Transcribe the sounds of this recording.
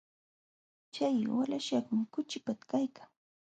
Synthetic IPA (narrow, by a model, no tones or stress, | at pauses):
t͡ʃajwalaʃɑχmɪkʊt͡ʃɪpat̪kajkḁŋ